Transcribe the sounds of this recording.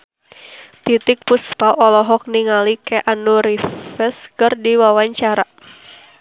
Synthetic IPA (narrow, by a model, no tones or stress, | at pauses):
t̪it̪ɪk̚puspaʔɔlɔɦɔk̚niŋalikɛʔanuɾifɛskərdiwawaɲt͡ʃaɾa